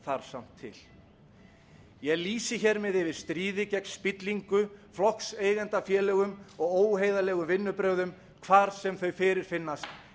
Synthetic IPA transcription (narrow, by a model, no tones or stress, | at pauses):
θaɾ̥sam̥t̪ʰːɪ̰l | jɛɣliːsɪçɛɾmɪðɪvɪɾ̥st̪ɾiːðɪcɛknspɪt̪liŋkʏflɔkseːjɣɛnt̪afjɛːlɛɣʏmɔɣoːwɦejðalɛːɣʏmvɪnːʏpɾœɣðʏm | kʰvaːɾsɛmθœɥfɪːɾɪɾ̥fɪnːast̪